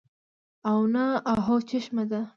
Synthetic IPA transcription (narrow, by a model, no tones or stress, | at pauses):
awnaaɦot͡ʃɪʃmad̪a